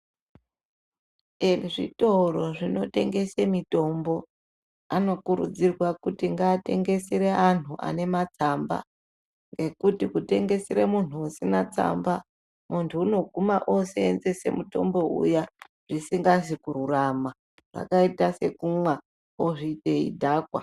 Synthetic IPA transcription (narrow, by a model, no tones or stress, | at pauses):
enʐḭtoro̞ʐino̞te̞ŋɡe̞semito̞mbo̞ | ano̞kuɾṵd͡zirwakutiŋɡaːte̞ŋɡe̞seɾean̤uʔa̰ne̞mat͡samba̰ | ŋɡe̞kutikute̞ŋɡe̞siɾemun̤uusinat͡sa̰mba | muntʰuːno̞ɡʱumaʔo̞seːnze̞se̞̰muto̞̰mbo̞ṵja | ʐ̥isiŋɡaʐikuɾurama | ʐa̰kaitase̞kumwa | oʐite̞ḭdʱaːkwa̰